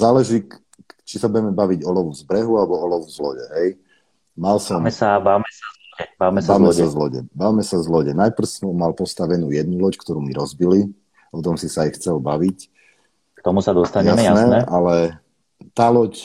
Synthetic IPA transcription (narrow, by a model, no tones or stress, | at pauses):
zaːlɛʒiː | t͡ʃisabuɟɛmɛbaʋiɟɔlɔʋuzbɾɛɦualɛbɔɔlɔʋuzlɔɟɛɦɛj | malsɔmɛsabaʋmɛsazlɔɟɛbamɛsaʋmɛsazlɔɟɛ̰baʋmɛsazlɔɟɛnajpr̩sɔmɔmalpɔst̪aʋɛnuːjɛd̪nulɔckt̪ɔɾuːmiɾɔzbili | ɔt̪ɔmsisaːjxt͡sɛlbaʋic | k̚t̪ɔmusad̪ɔst̪aɲjaɛsjanɛnɛʔalɛ | t̪aːlɔc